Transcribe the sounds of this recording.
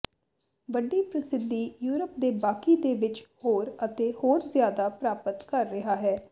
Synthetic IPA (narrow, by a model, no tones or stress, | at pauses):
ʋəɖːiːpɾəsɪd̪iːjuːɾəp̚d̪eːbaːkiːd̪eːʋɪt͡ʃhoːɾət̪eːhoːɾzjaːd̪aːpɾaːpət̪kəɾːɪɦaːɦɛː